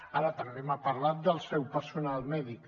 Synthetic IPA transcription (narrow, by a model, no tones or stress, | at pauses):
aɾət̪əmbemapəɾlat̪̚d̪əlˠsɛwpəɾsunalˠmɛðik